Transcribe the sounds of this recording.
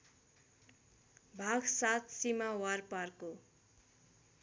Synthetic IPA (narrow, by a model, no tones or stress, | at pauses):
bʱaɡsat̪ʰsimawarparko